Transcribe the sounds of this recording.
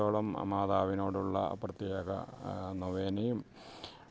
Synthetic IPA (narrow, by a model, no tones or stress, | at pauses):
oːɭɐmɐ̰maːðaːʋino̞ːɽuɭːɐ̰ɐ̰prɐt̪ːjaɣɐ̰nɐʋeːnɐjum